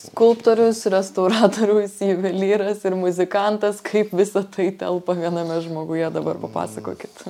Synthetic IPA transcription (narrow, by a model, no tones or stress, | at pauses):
skʊlˠpt̪oːɾʲʊsɾʲɛst̪ɐʊɾɑːt̪oːɾʲʊsiːʋʲɛlʲiːɾɐsɪɾmʊzʲɪkɐnt̪ɐskʰɐɪpʋʲɪsɐt̪ɐɪt̪ʲɛ̰lˠpɐʋʲiɛnɐmʲɛʒmoːɡʊjɛd̪ɐbɐrpɐpɑ̰ːsɐko̰ːkʲɪt̪